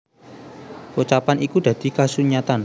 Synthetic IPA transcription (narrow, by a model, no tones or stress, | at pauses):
wut͡ʃapanʔikud̪̥ä̤d̪̥i̤kasuɲat̪an